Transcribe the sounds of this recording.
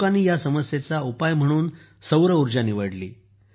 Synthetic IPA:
anːiːjasəməsjet͡saupajm̤əɽ̃uːn | səwɾəuɾd͡ʑaniʋəɽlḭː

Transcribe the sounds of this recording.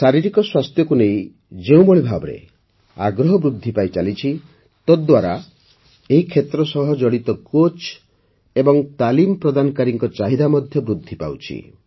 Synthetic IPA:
saɾiɾikɔswast̪ʰjɔkunej̃ | d͡ʒeũbɔɭ̃ibʱabɔɾḛ | aɡɾɔɦɔbɾud̪ʱːipajt͡ʃalit͡ʃʰi | t̪ɔd̪waɾa | eɦikʰet̪ɾɔsɔɦɔd͡ʒɔɭit̪ɔkot͡ʃ | ebɔŋt̪alimpɾɔd̪anɔkaɾiŋkɔt͡ʃaɦid̪amɔd̪ʱjɔbɾud̪ʱːipa̰wt͡ʃʰḭ

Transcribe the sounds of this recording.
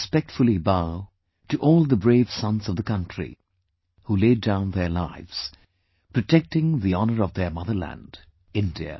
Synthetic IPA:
spɛk̚tfʊlˠibaʊ | tɨʔɔlˠðəbɹeɪv̥sʌ̃nzʌvðəkʌ̃ntɹ̥ḭ | huleɪdãʊ̃nðə˞laɪvz̥ | pʰɹ̥ɨtʰɛk̚tɪ̃ŋðiɑnə˞ʌvðə˞mʌðə˞læ̰̃nd | ɪ̃ndiɨ̰

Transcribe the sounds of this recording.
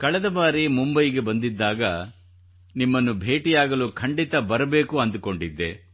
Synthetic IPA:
kɐɭɛd̪ɐbaːɾimumbɐjiɡe̞bɐnd̪id̪ːaːɡɐ | nimːɐnːubʱe̞ːʈijaːɡɐluːkʰɐɳɖit̪ɐbɐɾɐbe̞ːkuɐnd̪uko̞ɳɖid̪ːe̞̰

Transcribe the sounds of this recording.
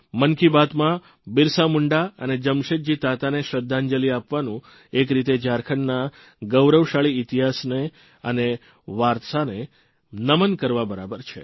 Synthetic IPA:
mənkibat̪mã | biɾsamuɳɖaə̰ned͡ʒəmʃet̪̚d͡ʒit̪at̪aneʃɾəd̪ʱːãɲd͡ʒəliapʋanũ | ekɾit̪ed͡ʒaɾkʰəɳːa | ɡəwɾəʋʃaɭiːt̪iɦasne | ə̰ne | ʋaɾt̪əsane | nəmənkəɾʋabəɾabəɾt͡ʃʰḛ

